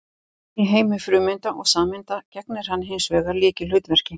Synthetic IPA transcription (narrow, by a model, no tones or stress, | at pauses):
iɦeːjmʏfɾʏːmɪnt̪aʔɔɣsaːmɪnt̪acɛknɪɾ̥hanːɦejnsvɛːɣaɾliːcɪlʏɥt̪vɛr̥cɪ